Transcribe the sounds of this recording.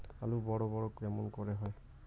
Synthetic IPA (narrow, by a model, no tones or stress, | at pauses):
a̰lubɔɹɔbɔɹɔkɹɛmɔnkɔɹɛɦɔj